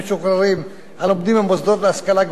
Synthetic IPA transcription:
ʃuχɾaɾim | alomd̪imembozd̪ot̪laskalaɡ

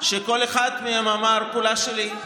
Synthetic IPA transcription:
ʃeko̞leχad̪meamamaʁpulaʃeli

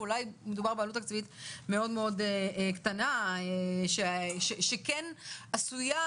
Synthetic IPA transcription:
ulajmed̪ubaʁbealutakt͡svitme̞o̞dmeo̞d̪eekt̪anaeʃeeʃekenasuja

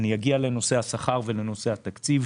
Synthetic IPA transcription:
nijaɡialeno̞se̞hasaχaʁveleno̞se̞hat̪akt͡siv

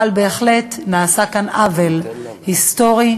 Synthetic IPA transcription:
albeːχle̞tnaːsakanavel | hist̪o̞ʁi

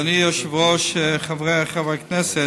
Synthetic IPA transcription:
niɔʃɪvʁɔʃχavʁeaχavaknɛsɛ

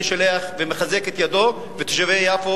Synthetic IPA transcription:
ʃaleaχvemeχazeket̪jad̪o̞ | vet̪eʃavejafo

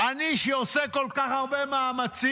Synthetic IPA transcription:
aniʃeoseko̞lkaχaʁbe̞maːmat͡si

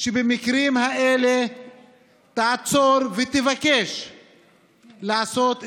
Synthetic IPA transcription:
ʃebemikɾimhaele | t̪aat͡so̞ɾvet̪evake̞ʃ | laaso̞t̪

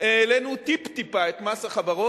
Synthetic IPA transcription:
eːlenut̪ipt̪ipaet̪masaχavaʁo

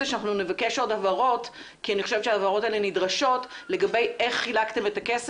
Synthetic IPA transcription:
eʃanaχnunevakeʃo̞dhavaʁo̞t | kianiχoʃevʃeaːvaʁo̞taelenidʁaʃo̞tle̞ɡabeje̞χːilaktemetakes

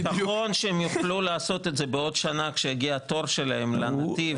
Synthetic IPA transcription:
taχo̞nʃeemjuχlulaːso̞t̪etzebeo̞dʃanakʃejaɡiat̪o̞ʁʃe̞lahe̞mlanat̪iv

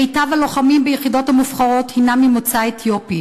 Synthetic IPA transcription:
ejtavalo̞χamimbejeχido̞thamufχaʁo̞thinamimot͡saet̪ʰjopi

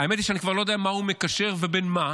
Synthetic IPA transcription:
aemet̪iʃeanikvaʁlojd̪eamahumekaʃe̞ʁvebenma

